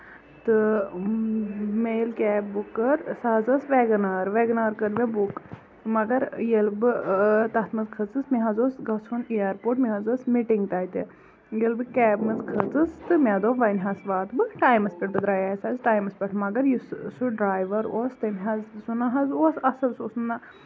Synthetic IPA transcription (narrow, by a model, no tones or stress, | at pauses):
t̪ɨ | mejlkɛːbːukːɐɾsaːzɐsʋeːɡnaːɾʋeːɡnaːɾkɐɾʋʲebuk | mɐɡɐɾjelbɨt̪ɐt̪ʰmɐzkʰɐt͡sɨsmiɦɐzoːsɡɐt͡sʰunijɐɾpoːʈmʲiɦɐzoːsmiʈiŋɡt̪aːit̪e | jelbɨkʲɛːbmɐzkʰət͡sɨst̪ɨmʲaːd̪oːʋɐnɦaːsʋaːt̪bɨʈaːjmɐspʲeʈ̚bɨd̪ɾaːjaesaːzʈaːjmɐspʲɐʈʰmɐɡɐɾjussuɖɾaːjʋɐɾoːst̪ɐmɦɐzsunaːɦɐzoːsɐsɐsoːsna